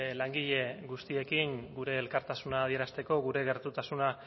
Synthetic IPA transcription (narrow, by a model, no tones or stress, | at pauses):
laŋɡiʎe̞ɣust̪ie̞kiŋɡuɾe̞ːlkaɾt̪asunaːðie̞ɾast̪e̞ko̞ɣuɾe̞ɣe̞ɾt̪ut̪asuna